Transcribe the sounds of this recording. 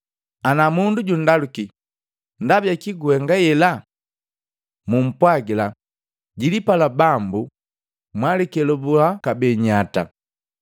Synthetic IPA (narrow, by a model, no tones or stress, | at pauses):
anamunduɟun̩daluki | ndabjakiɡuɛŋɡajɛla | mum̩pwaɡila | ɟilipalabambu | mwalɛkɛlɔbulakabɛɲata̰